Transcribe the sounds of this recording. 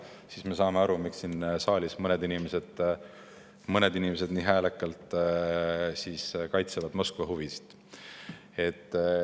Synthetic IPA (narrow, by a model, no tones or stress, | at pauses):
siːsme̞sɑːmeɑɾumiksinsɑːlʲismɤned̪inimese̞d̪̥ | mɤned̪inʲimese̞d̪̥niːɦæːlekːˑɑlt̪ˑ | siskɑjt̪sevɑd̪̥mo̞skvɑɦuvisi̥t̪ | e̞t̪ː